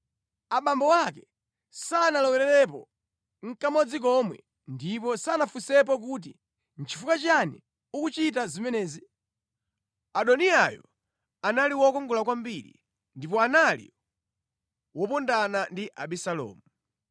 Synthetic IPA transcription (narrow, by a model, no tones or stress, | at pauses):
aɓambɔwakɛ̥ | sanalɔwɛɾɛɾɛp̬ɔ | ŋ̩kamɔd͡zik̬ɔmwɛ̰ | ndip̬ɔsanafusɛp̬ɔk̬ut̬i | n̩t͡ʃʰi̥fukat͡ʃani | ukut͡ʃit̬azimɛnɛːzi | aɗɔniajɔ̰ | analiwɔkɔŋɡɔlakwambiɾḭ | ndipɔanalḭ | wɔpɔndanandiʔaɓisalɔ̰ːmu